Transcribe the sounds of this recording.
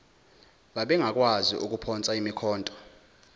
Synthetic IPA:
ɓaɓɛŋak̬ʼwazḭʔuk̬ʼupʰɔnt͡sʼaimikʰɔːntʼɔ̥

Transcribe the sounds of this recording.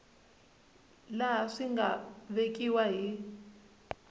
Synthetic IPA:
laʂiŋɡaβekʼiwaɦi

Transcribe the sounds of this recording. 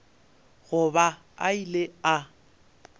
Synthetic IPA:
ɣʊba | a̰ilea

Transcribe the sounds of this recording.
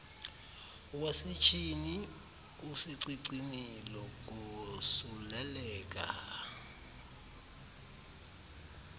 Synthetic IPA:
wasit͡ʃʰʼini | usiǀiǀinilɔk̬ʼusulɛlɛːk̬ʼa̰

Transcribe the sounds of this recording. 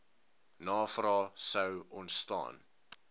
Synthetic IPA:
nɑːfrɑːsəwɔntstɑ̰ːn

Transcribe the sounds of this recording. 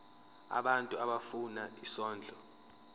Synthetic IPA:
a̰ɓantʼuaɓafunaisɔːnd͡ɮʱɔ

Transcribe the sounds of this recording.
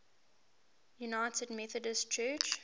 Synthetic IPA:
junaɪtəd̚mɛθədəstt͡ʃʰɜːˑt͡ʃ

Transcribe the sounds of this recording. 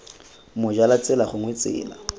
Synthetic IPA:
mʊd͡ʒalat͡sʼɛlaχʊŋwet͡sʼɪ̰ːla̰

